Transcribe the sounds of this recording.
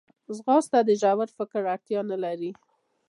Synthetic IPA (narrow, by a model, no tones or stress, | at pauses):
zɣɑst̪ad̪əʒawaɾfɪkɾaɽt̪jɑnəlaɾi